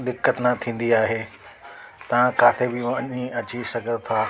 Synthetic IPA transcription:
d̪ɪkːət̪nat̪ʰĩːn̆d̪iaːɦeː | t̪ɐʋ̤ãkaːfʰebɪɐɲĩɐt͡ɕisɐɡʱət̪ʰaː

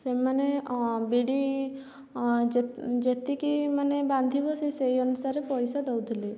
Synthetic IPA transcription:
semanebiɽi | d͡ʒd͡ʒet̪ikimanebãnd̪ʱibɔsisejɔnusaɾepɔjsad̪ɔwd̪ʱili

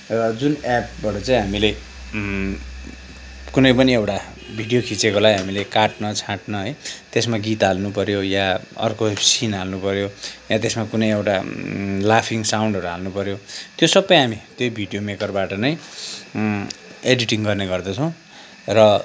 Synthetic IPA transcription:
rʌd͡zunap̚baʈʌt͡saĩɦamile | kunʌjpʌniewʈa | bʱiɖijokʰit͡sekolaɡɦamilekaʈnʌt͡sʰãʈnʌɦʌjt̪esmaɡit̪ɦalnupʌɾjojaʌ̰rkosinalnupʌɾjojat̪esmakunʌjewʈalapʰiŋsawɳɖɦʌɾuɦalnupʌɾjot̪josʌbːʌjɦamit̪jojbʱiɽijomekʌrbaʈʌnʌj | eɖiʈiŋɡʌrneɡʌrd̪ʌt͡sʰʌ̃w̃ | rʌ

